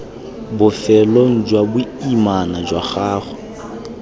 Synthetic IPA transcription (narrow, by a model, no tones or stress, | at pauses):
bʊfɛloŋ̩d͡ʒwabʊimanad͡ʒwaχaːχɔ̥